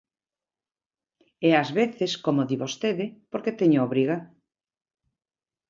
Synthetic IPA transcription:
ɛazβeθeskomoðiβost̪eðɪpoɾket̪eɲooβɾiɣa

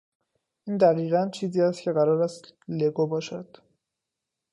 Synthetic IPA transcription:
ʔiːnd̪æɣiːɣænt͡ʃʰiːziːæst̪cʰe̞ɣæɾɒːɾæst̪le̞ɡobɒːʃæd̪̥

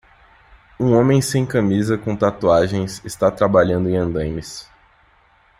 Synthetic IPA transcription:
ũõmẽj̃sẽj̃kɐmizɐkõt̪at̪uaʒẽj̃sɪst̪at̪ɾabaʎɐ̃nd̪ʊẽj̃ɐ̃nd̪ɐ̃j̃mɪs

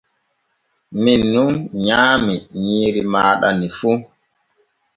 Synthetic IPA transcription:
minːunɲaːmiɲiːɾimaːɗanifu

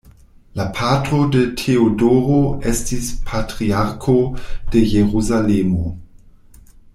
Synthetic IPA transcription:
lapʰatodetʰeodoɾoestispʰatɾiaɾkʰod̥ejeʁuzalemo

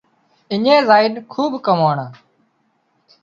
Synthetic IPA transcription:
ɪɲẽːzaːɪnkʰuːbkəmoːɳaː

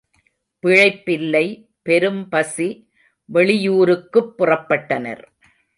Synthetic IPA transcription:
pɪɻɐɪpːɪlːɐɪ | pɛɾɯmpɐsi | ʋɛɭɪjuːɾɯkːɯpːʊrɐpːɐʈːɐnɐ̰ɾ

